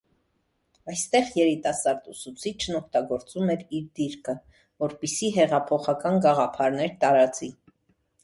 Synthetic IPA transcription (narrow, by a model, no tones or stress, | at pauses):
ɑjst̪ɛʁjɛɾit̪ɑsɑɾd̪usut͡sʰit͡ʃʰnɔk̚ʰt̪ɑɡɔɾt͡sumɛɾiɾd̪iɾkʰə | vɔɾpisiɦɛʁɑpʰɔχɑkɑnɡɑʁɑpʰɑɾn̪ɛɾt̪ɑɾɑt͡si